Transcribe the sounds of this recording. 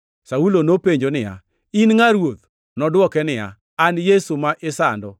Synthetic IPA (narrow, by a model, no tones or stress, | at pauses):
saulonopeɲd͡ʒonɪja̰ | inŋaɾwot̪ | nɔdwɔkɛnɪja̰ː | njesumaʔɪsandɔ